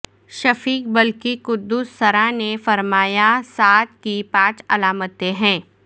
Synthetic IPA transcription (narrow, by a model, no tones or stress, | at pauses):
ʃɐfiːk̚bɐlkikʊd̪ːuːsːɐɾanefɐɾmaːjasaːt̪kipãːt͡ʃɐlaːmət̪eɦɛ̃ː